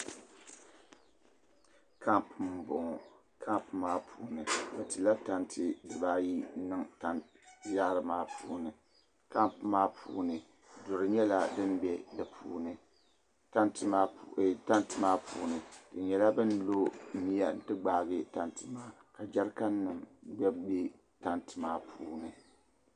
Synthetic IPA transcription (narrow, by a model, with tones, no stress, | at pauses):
kʰa˦mpm˨bʊ˨ŋɔ˨ | kʰa˦mpmaː˦pʰuː˦nɨ˨bɛ˨tɨ˨la˦ta˦ntʰɨ˦dɨ˨baː˦ji˦nɨ˦ŋta˦n | za˦ɾɨ˨maː˦pʰuː˨˦nɨ˨ | ka˦mpmaː˦pʰṵː˨˦nɨ˨ | dʊ˨ɾɨ˨ɲɛ˦la˦dɨ˦m˦bɛ˦dɨ˨pʰuː˦nɨ˨ | ta˦ntɨ˦ma˦˨ta˦ntɨ˦maː˦pʰṵː˦nɨ˨d̥ɨ˨ɲɛ˨la˦bɨ˦nlo˦mi˦ja˦n˦tɨ˦ɡ͡baː˨ɡɨ˦ta˨ntɨ˦maː˦ | ka˨d͡ʒa˦ɾka˦nːɨ˨mɡ͡bɛ˦bɛ˦ | ta˦ntɨ̥˨maː˦pʰuː˦nɨ˨